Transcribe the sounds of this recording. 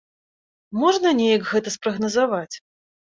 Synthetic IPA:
mɔʐnɐnʲejɐkɣɛt̪ɐspɾɐɣnɐzavat͡sʲ

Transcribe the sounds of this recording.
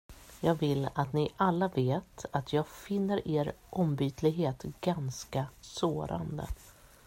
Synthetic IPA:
jɑːɡvɪlːat̪nɪʔalːaveːt̪at̪ʰjɑːɡfɪnːəɾʔeːɾʔɔmbyːt̪lɪɡɦeːt̪ɡ̥anskasoːɾʔa̰nd̪ə̰

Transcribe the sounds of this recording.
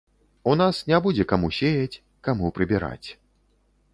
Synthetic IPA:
unasnʲabud͡zʲɛkamuɕʲejɐt͡sʲ | kamupɾɨbʲiɾa̰t͡sʲ

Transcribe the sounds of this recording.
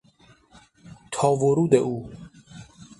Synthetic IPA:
t̪ʰɒːvoɾuːd̪eʔuː

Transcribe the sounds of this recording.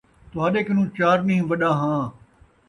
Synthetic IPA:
t̪ʊɦaːɗeːkənũːt͡ʃaːɾnĩːʋɐɗãːɦãː

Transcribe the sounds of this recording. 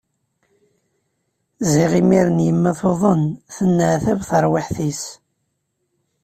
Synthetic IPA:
ziʁimiɾənjəmːæθoðˤənθənːəʕθævθəɾˤwiħθis

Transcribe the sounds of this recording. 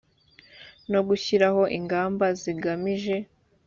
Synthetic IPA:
no̞ɡuçiɾaho̞ʔiŋɡaːmbaziɡamiʒe̞

